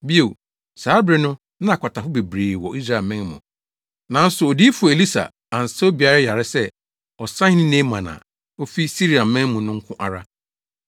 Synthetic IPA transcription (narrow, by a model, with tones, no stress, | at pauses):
bi˦o˨ | saː˨˦bɾɪ˦˨nʊ̃˦ | nã˦a˨kʷʰa˨tʰa˨fʊ˦be˨bɾeː˨wɔ˨ʔi˦s̬ɾa˦˨mɛ̃˦ŋ˦mʊ̰̃˨ | nã˨n̩˦sʊ˨ɔ˨di˦fu˨e˨li˦sa̰˨ | a˨n̩˨sɛ˦o˦bi˨a˦ɾa˦ja˨ɾɪ˦sɛ˦ | ɔ˨sã˦nĩ˦nẽ˦mːã˨nã̰˨ | o˦fi˦si˦ɾi˨a˨m̩˦mɛ̃˦ŋmʊ̃˨nʊ̃˦ŋ̩˦kʰʊ̃˦ʔa˨ɾa˦